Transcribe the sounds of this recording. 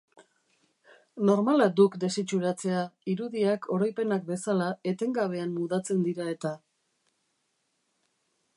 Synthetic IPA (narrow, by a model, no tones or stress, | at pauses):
no̞ɾmalad̪ukd̪e̞sit͡ʃuɾat͡se̞aiɾuðiakʰo̞ɾojpe̞nakbe̞salae̞t̪e̞ŋɡaβ̞e̞anmːuðat͡se̞nd̪iɾae̞t̪a